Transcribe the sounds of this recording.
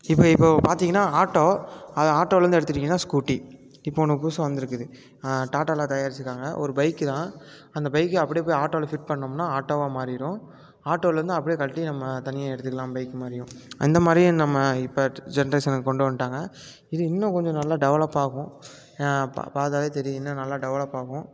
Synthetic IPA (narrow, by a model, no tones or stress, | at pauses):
ɪpːoːɪpːopaːɾt̪iːŋɡɐnːaːaːʈːoːɐðaːʈːoːlɾɯnd̪ɛɽɯt̪ːɯʈːiːŋɡɐnːãːskuːʈːi | ɪpːɐɔnɐkːɯpuːsɐ̃ʋɐnd̪ɪɾɯkːɯðɯ | ʈaːʈaːlãːt̪ɐjaːɾɪt͡ʃːɯkːaːŋɡɐʔɔ̰ɾɯbɐɪkːɯt̪ãː | ɐnd̪ɐbɐɪkːɯɐpːɐɽijpːoːjaːʈːoːlɐfɪʈ̚pɐɳːɐnɐmnːãːaːʈːoːʋaːmaːɾɪɾʊ̃ | aːʈːoːlɐɾɯnd̪ɯɐpːɐɽijkɐɭʈːinɐmːɐt̪ɐnɪjɐɛɽɯt̪ːɯkːɐlãːmbɐɪkːɯmaːɾɪjʊ̃ɪ̰nd̪ɐmaːd̪ɾinɐmːɐɪpːɐd͡ʒɛnɐɾɐɪsɐnɐkːkɔɳɖɯʋɐnʈaːŋɡɐ | ɪðɯɪnːʊ̃kɔɲd͡ʒɔ̃nɐlːaːɖɛʋɐɭɐpːaːɣʊ̃ | paːɾt̪aːðeːt̪ɛɾijɪnːɐ̃nɐlːaːɖɛʋɐɭɐpːaːɣʊ̃